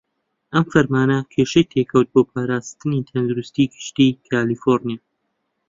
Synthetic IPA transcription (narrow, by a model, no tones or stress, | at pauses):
ʔɐmfɐɾmaːnɐkʰeːʃɐjt̪ʰekʰɐwt̪̚boːpʰaːɾaːst̪ɨnit̪ʰɐnd̪uɾust̪iːɡɨʃt̪ikʰaːliːfoɾnijaː